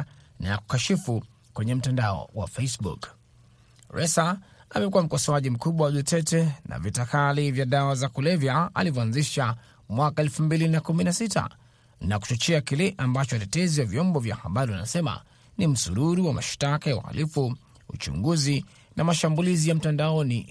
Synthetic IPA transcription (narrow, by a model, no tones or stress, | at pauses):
najaku̥kaʃifu | kwɛɲɛm̩tandaɔ̰wa̰fesbṵk | ɹɛsaamɛkuwam̩kɔsɔaʄim̩kuɓwawaʄutʰɛtɛna̰vitakalivjaɗawazakulɛvjaa̰livɔanziʃa | mwakaɛlfumbilinakuminasitʰa̰ | naku̥t͡ʃɔt͡ʃɛakilɛʔambat͡ʃɔtɛtɛziwavjɔmbɔvja̰haɓaɾiwanasɛma̰ | nim̩suɾuɾiwama̰ʃtakajaṵha̰lʔifu | ṵt͡ʃṵŋɡuzi | nʔamaʃambulizijam̩tandaɔni